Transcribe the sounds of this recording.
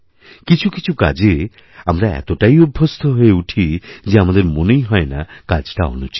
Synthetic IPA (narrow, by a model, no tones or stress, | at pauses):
kit͡ɕʰuki̥t͡ɕʰuka̰d͡ʑe | amɾaɛ̰t̪oʈajubʱːost̪ʰoɦoeuʈʰid͡ʑeamad̪eɾmonejɦɔenakad͡ʑʈao̰nut͡ɕi̥